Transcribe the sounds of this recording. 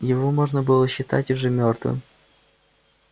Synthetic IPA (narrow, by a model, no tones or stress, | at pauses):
jɪvomoʐnəbɨlˠəɕːɪt̪a̰tʲʊʐɛmʲort̪vɨ̰m